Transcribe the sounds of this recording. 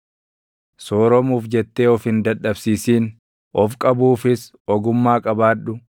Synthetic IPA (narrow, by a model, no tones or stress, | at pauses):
soːɾɔmuːfd͡ʒɛt̪ːeːɔfhɪnd̪ɐᶑɐbsiːsiːn | ʔɔfkʼɐbuːfɪs | ɔɡʊmːaːkʼɐbaːᶑʊ